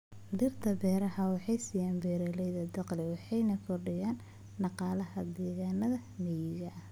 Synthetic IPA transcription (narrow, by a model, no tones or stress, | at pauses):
d̪ɪrt̪ʰɐbɛːɾɐɦɐwɑħɑjsɪjaːnbɛːɾɛlɛjðɐd̪ɐqlɪwɑħɑjnɐkʰɔrɖɪjaːn | ɖɑqɑːlɐɦɐd̪ɛːɣaːnɐðɐmɛjɪɣɐʔɐ